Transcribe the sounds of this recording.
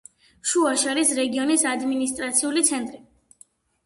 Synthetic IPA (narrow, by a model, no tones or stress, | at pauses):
ʃuaʃaɾisɾɛɡiɔnisad̪minist̪ʼɾat̪sʰiulit̪sʰɛnt̪ʼɾi